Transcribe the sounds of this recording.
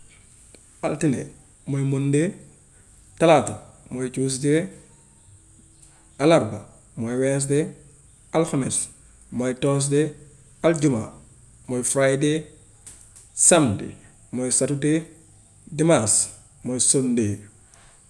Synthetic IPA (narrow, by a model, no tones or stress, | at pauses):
altinḛ | mojmunde | tɐlatomojt͡ʃuːs̬de | alaɾba | mɔjwɛs̬de | alxamis | mɔjtɔːs̬de | ɐld͡ʒuma̰ | mɔjfɾajde | samdḛ | mɔjsatude | dimas | mɔjsonde